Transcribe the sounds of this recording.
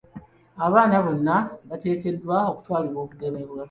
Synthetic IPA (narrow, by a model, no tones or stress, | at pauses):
aβaːnaβo̞nːaβate̞ːke̞dːwao̞ku̥twaːliɾwo̞ːkuɡe̞me̞βwa